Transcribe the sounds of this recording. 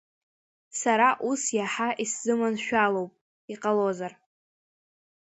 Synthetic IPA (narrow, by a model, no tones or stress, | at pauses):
saɾaʔusjaħaʔiszɨmanʃᶣalo̞wpʼ | iqʼalozar